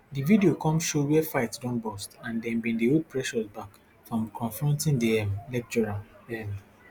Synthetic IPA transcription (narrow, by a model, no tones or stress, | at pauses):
dividiokɔ̃mʃowɛfaɪtsdɔ̃nbɔstãndɛ̃nbĩndeopʰɹɛʃɔsbak | fɹɔ̃mkʰɔ̃ɱfɹɔ̃ntĩndiɛmlɛk̚t͡ʃɔɹaɛm